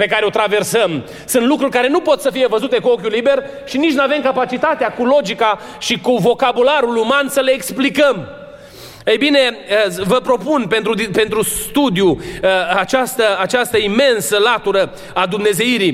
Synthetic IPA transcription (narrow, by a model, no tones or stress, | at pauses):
pe̞kaɾeo̞t̪ɾave̞rsəm | sɨnt̪lukɾurʲkaɾe̞nupo̞t̪səfije̞vəzut̪e̞kuo̞kʲulibe̞r | ʃinit͡ʃnuave̞mkapat͡ʃit̪at̪eakulo̞d͡ʒika | ʃikuvo̞kabulaɾulumansəleːksplikəm | əjbine̞əvəpɾo̞punpe̞nt̪ɾud̪pe̞nt̪ɾust̪ud̪juat͡ʃast̪əat͡ʃast̪əime̞nsəlat̪uɾə | ad̪umne̞ze̞iɾi